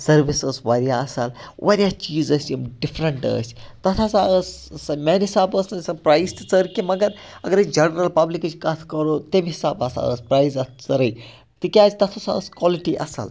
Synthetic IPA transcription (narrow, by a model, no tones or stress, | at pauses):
sɐɾʋisəsʋɐɾjaɐsɐlʋʔɐɾʲjaːt͡ʃiːzəsʲjimɖifɾɐɳʈə̰ːsʲt̪ɐt̪ʰasaəssɐmenɦisaːbəːsɐnsɐpɾaist̪ɨt͡səɾkimɐɡɐɾ | ɐɡɐɾəd͡ʒɐnɐɾɐlpɐblikt͡ʃkɐt̪ʰkɐɾot̪emɦisaːbɐsa̰ə̰spɾaːjzɐt̪ʰt͡sɐɾəj | t̪ikʲaːt̪ɐt̪ʰosaəskɔːliʈiʔɐ̰sɐ̰l